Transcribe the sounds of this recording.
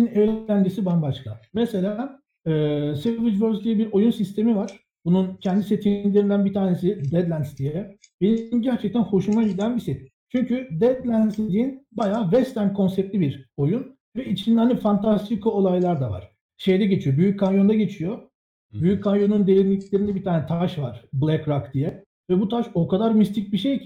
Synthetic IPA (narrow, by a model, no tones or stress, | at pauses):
ineænd͡ʒesibanbaʃkʰamɛse̞lʲaː | ɛːsevid͡ʒvøɾslʲijibiɾo̞junsist̪ʰe̞mivaɾ̥ | bununcʰɛnd̪ise̞t̪ʰilʲe̞ɾind̪ænbit̪ʰaːnesid̪ɛd̪lʲænst̪ijɛ | benmɟæɾt͡ʃʰɛc̚t̪ʰænho̞ʃumailʲænbise | t͡ʃʰyɲcʰyd̪ɛd̪lʲænslʲiinbajaːvɛst̪ʰæɾmkʰo̞nsɛp̚t̪lʲibiɾojun | vɛit͡ʃʰind̪hanifant̪ʰast̪ʰikʰo̞lˠajlˠaɾd̪ava̰ɾ̥ | ʃe̞jd̪ɛɟe̞t͡ʃʰijo̞byjyc̚kʰːanjo̞nd̪aɟe̞t͡ʃʰijo | byjyckʰːanjo̞nund̪ejiɾnʲiclʲeɾind̪ɛbit̪ʰaːnɛt̪ʰaʃvaɾ̥blʲˠɛkɾakd̪ijɛ | vɛbut̪ʰaʃo̞kʰad̪aɾmist̪ʰic̚biʃej